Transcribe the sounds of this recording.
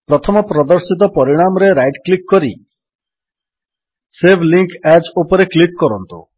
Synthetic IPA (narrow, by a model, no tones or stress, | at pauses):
pɾɔt̪ʰɔmɔpɾɔd̪ɔɾsit̪̬ɔpɔɾiɽ̃amɔɾeɾajʈklikːɔɾi | sebʱliŋkad͡ʒopɔɾeklikːɔɾɔnt̪ṵ